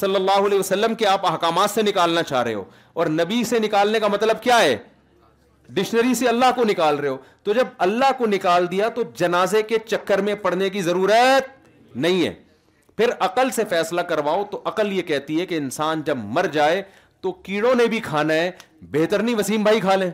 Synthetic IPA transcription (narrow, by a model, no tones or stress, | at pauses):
sɐlːəlːaːɦoɐleːʋɐsɐlːəmkeaːpɐɦkaːmaːt̪senɪkaːlnat͡ʃaːɦɾeɦḛɦo̰ː | ɔːɾnɐbisenɪkaːlnekamɐt̪ləb̚kjaːɦɛ̰ː | ɖɪʃnəɾiseɐlːaɦkonɪkaːlɾɐɦɦoːt̪od͡ʒɐb̚ɐlːaɦkonɪkaːld̪ijat̪od͡ʒɐnaːzeket͡ʃɐkːəɾmẽpɐɽ̤nekizɐɾuːɾət̪̚ | nɐɦĩɦɛ̰ː | pʰɪɾɐqəlsefɛːslakɐɾʋaːot̪oʔɐqəljekɛɦt̪iɦɛkeɪnsaːnd͡ʒɐbmɐɾd͡ʒaːe | t̪okiːɽõnebʱikʰaːnaɦɛ | beːt̪əɾnĩʋɐsiːmbʱaːikʰaːlẽː